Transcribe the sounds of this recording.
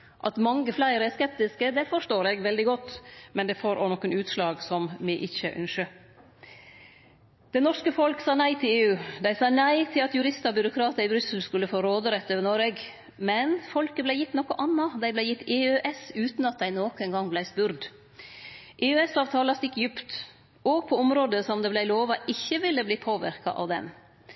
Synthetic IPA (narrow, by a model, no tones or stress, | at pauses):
ʔɑt̪mɑŋːəflæɪɾəɛskɛp̚t̪ɪskəd̪ɛfɔʂtoːɾɛɡʋɛld̪ɪɡɔt̪ːmɛnd̪ɛfoːɾʔɔ̰nɔkːənʉːt̪slɑːɡsɔmmɪʔɪçə̰ʔœ̰nʂə | d̪̥ɛnɔʂkəfɔlksɑːnæɪt̪ʰɪleːʉːd̪æɪsɑːnæɪt̪ʰɪlɑt̪jʉɾɪst̪ɑbjʏɾʊkʰɾɑːt̪əɾɪbɾʏsəl̩skʉlːəfoːɾoːd̪əɾɛt̪ːøːʋənoːɾɛɡ | mɛnfɔlkəblæɪjɪt̪ːnɔkːɔʔɑnːɑd̪æɪblæɪjɪt̪ːeːøʔɛsʉːt̪nɑt̪̚d̪æɪnoːkɛnɡɑŋblæɪspʉɾd̪ | ʔeøːɛsɑːʋt̪ʰɑːlɑst̪ɪkːjʏpt̪ | ɔɡ̚pʰɔɔmɾoːd̪əsɔmd̪ɛblæɪloːʋɑʔɪçːəʋɪlːəbliːpʰoːʋɪ̰ɾkɑ̰ʔɑ̰ːʋd̪ɛ̰n